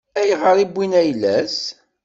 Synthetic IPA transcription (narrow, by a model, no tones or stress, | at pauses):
æjʁəɾˤibʷːinæjlæs